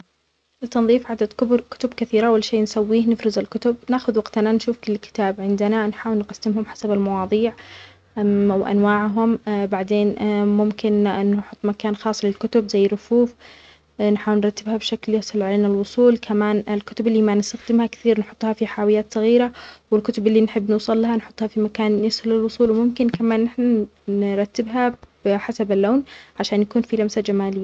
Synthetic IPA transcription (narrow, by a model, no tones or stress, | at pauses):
ʔɪlt̪ːɑnðˤiːfʕad̪ad̪kʊbɾkʊ̥t̪ʊbkaθiːɾaʔwalʃeːnsawːiːhnɪfɾɪzalkʊt̪ʊb̚naʔxʊðwɑɡt̪nanʃuːfkʊlːkɪ̥t̪aːbʕɪnd̪ɪnanħaːwɪlnqɑsːɪmɦʊmħḁsabalmɑwɑːðˤiːʕ | wʔa̰nwaːʕɦʊmbaʕd̪eːnmʊmkɪnnːħʊt̪ˤːmakaːnxɑːsˤlɪlkʊt̪ʊbzajːɾʊfuːf | nħaːwɪlnɾˤɑt̪ːɪbhabʃakljasˤɑlʕaleːnalwʊsˤuːlkʰamaːnɪlkʊt̪ʊbɪlːiːmanɪst̪axd̪ɪmhakθiːɾnħʊt̪ˤːhɑfiħaːwɪjːaːt̪sˤɑɣiːɾawɪlkʊt̪ʊbʔɪlːinħɪbːnuːsˤɑlːahanħʊt̪ˤːhɑfimakaːnːɪsʊlɪlwʊsˤuːlwɪmʊmkɪnkamaːnːɪħnanɾˤɑt̪ːɪbɦḁɪħasabalːoːnʕaʃaːnjakuːnfilamsad͡ʒamaːlɪjːaa